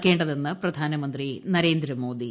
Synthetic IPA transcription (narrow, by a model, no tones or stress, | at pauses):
kːe̞ːɳɖɐðenːɐpɾɐd̪ʱaːnɐmɐnd̪ɾinɐɾe̞ːnd̪ɾɐmo̞ːd̪i